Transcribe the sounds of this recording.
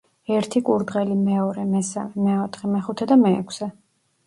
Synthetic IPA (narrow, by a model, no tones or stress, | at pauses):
ɛɾt̪ʰikʼuɾd̪ʁɛlimɛɔɾɛmɛsa̰mɛmɛɔt̪ʰχɛmɛχut̪ʰɛd̪amɛ̰ːkʷʰsɛ